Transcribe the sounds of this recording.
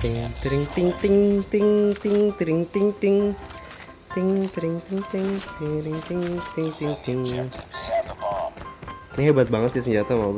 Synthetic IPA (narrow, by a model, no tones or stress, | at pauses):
t̪ɪŋt̪ɾɪŋt̪ɪŋt̪ɪŋt̪ɪŋt̪ɪŋt̪ɾɪŋt̪ɪŋt̪ɪŋ | t̪ɪŋt̪ɾɪŋt̪ɪŋt̪ɪŋɪŋɾɪŋt̪ɪŋt̪ɪŋt̪ɪŋt̪ɪŋ | nɪɦebat̪̚baŋət̪̚sis̬əɲd͡ʒat̪ama